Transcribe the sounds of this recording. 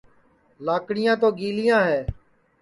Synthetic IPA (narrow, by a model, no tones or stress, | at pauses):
laːkɽɪjãːt̪oːɡiːlɪjãːɦɛː